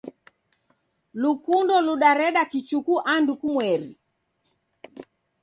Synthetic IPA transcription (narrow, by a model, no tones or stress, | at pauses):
lukundɔluɗaɾɛɗakit͡ʃukuʔandukumwɛɾḭ